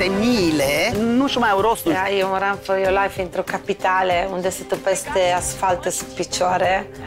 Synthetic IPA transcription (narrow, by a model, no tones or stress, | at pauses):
t̪emiːlenunt͡ʃomajawɾost̪ajunɾaɱfojolajfint̪ɾokapit̪aːleund̪ɛset̪opɛst̪easfalt̪esupit͡ʃːɔːɾe